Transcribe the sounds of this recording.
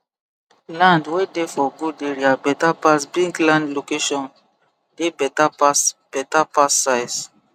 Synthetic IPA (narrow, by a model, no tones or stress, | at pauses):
lãndwedefɔɡudeɹiabɛtapasbĩŋklãndlokeʃɔ̃n | debɛtapasb̥ɛtapasːajs